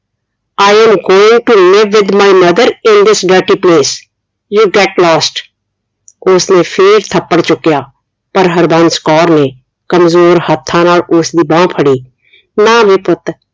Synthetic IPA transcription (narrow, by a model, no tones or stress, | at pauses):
aːɪɛ̃mɡoːɪ̃ŋɡʈumɪʋɪd̪maːɪmɐd̪əɾɪ̃nd̪ɪsɖəɾʈiːpleːs | juːɡɛʈlɔːsʈ | ʊsnẽːpʰɪɾt̪ʰəpːəɽt͡ʃʊkːjaː | pəɾɦəɾbə̃nskɔːɾnẽː | kəmzoːɾhət̪ʰːãːnaːlʊsd̪iːbãːpʰəɽiː | naːʋɪpʊt̪